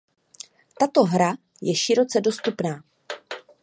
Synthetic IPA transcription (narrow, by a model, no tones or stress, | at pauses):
t̪at̪o̞ɦɾa | jɛʃɪɾo̞t͡sɛdo̞st̪upnaː